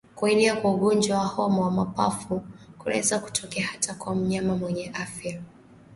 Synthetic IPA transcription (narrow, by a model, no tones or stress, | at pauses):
kuiniakwauɠɔnd͡ʒwawahɔmɔwamapa̰fukulɛ̰zaku̥tʰɔkɛahatakwam̩ɲamamwɛɲɛʔafja